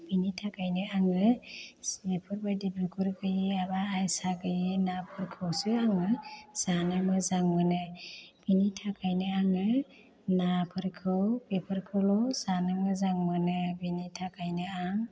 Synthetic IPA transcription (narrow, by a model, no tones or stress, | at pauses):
binitʰakajnɯaŋɯsepʰɯɾbajdibɾukʰuɾɡɯjiabaːjsaɡɯjɯnapʰɯɾkʰɯwsɯaŋɯsanɯmɯzaŋmɯnɯb̥initʰakajnɯaŋɯ | napʰɯɾkʰɯwpepʰɯɾkʰɯlɔsanɯmɯzaŋmɯnɯbinitʰakajnɯaŋ